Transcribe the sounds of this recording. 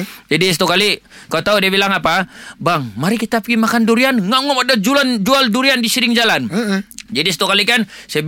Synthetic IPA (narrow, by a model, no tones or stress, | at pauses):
d͡ʒadisat̪ukalikalut̪audibilaŋapabaŋmaɾikit̪apɡimakanduɾianŋaŋɔmadad͡ʒuland͡ʒualduɾiandisiɾɪŋd͡ʒaland͡ʒadist̪ukalikansaa